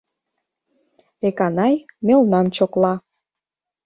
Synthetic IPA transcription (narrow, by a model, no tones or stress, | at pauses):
ekɑnɑjmelnɑmt͡ɕoklɑ